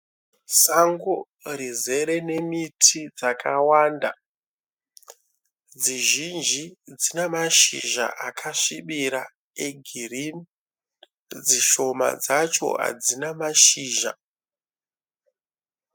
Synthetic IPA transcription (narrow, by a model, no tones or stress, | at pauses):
saŋɡo | rize̞ɾe̞ne̞mitʰid͡zakʰawaːnda | d͡ziʒind͡ʒid͡zinemaʃḭʒa̰ʔakʰaʂiɓiɾa | eɡʱirini | d͡ziʃo̞ma̰d͡zat͡ʃo̞̰ɦa̰d͡zinamaʃiːʒa̰